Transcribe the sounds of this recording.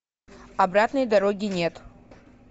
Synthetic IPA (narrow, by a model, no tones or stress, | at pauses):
ɐbɾat̪nəjd̪ɐɾoɡʲɪnʲet̪